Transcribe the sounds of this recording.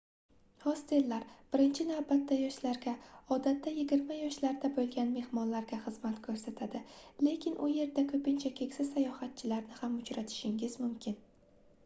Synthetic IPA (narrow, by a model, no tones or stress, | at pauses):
hɒst̪ɪlːaɾb̥ɪɾɪnt͡ʃʰɪnavbat̪ːajɒʃlaɾɡʲaɒd̪at̪ʰːajɪɡʲɪɾmajɒʃlaɾd̪abolˠɡʲanme̞hmɒnlaɾɡʲaχɨzmat̪kʰɵɾsat̪ʰad̪ɪle̞kʲʰɪnʔʊje̞ɾd̪akʰɵpɪnt͡ʃʰakʲʰe̞kʲsɪajɒhat̪̚t͡ʃʰɪlaɾnɪhamʊt͡ʃɾat̪ʰɪ̥ʃɪŋɪzmʊmkʲʰɪn